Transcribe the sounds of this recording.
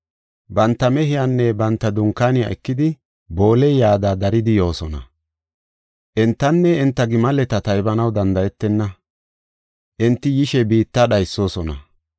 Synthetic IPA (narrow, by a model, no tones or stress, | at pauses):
bɐnt̪ːɐmɛɦɪjanːɛbɐnt̪ːɐd̪ʊŋkːaːnɪja̰ʔɛkːɪd̪ɪ | bo̞ːlɛjjaːd̪ad̪ɐɾɪd̪ɪjo̞ːsɔnɐ̰ | ʔɛnt̪ːɐnːɛɪnt̪ːɐɡɪmɐlɛt̪ɐt̪ɐjbɐnɐwd̪ɐnd̪ɐjɛt̪ːɛnːɐ | ʔɪnt̪ːɪjɪʃɛbiːt̪ːaɗɐjsːo̞ːsɔnɐ̰